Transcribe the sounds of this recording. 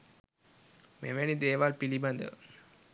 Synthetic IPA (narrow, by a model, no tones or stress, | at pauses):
mḛʋenid̪eːʋaːlpilibɐnd̪ə̰